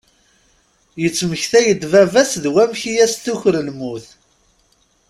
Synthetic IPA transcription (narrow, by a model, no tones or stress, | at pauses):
jət͡sːməçθæjəd̪vævæsðwæmçijæsθuçɾəlmuθ